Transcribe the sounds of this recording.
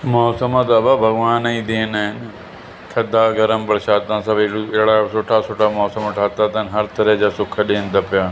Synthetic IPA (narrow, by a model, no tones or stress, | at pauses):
mɔːsəmat̪ɐbabʱɐɡʋaːnĩd̪eːnaːɦɪn | t̪ʰɐd̪aːɡɐɾəmpɐɾʃaːt̪ãːsɐbeɽɪɦɽasoːʈʰasoːʈʰaːmɔːsəmʈʰaːt̪aːt̪anɦɐɾt̪ɐɾəɦd͡ʑaːsʊkʰɗeːnd̪apɪjaː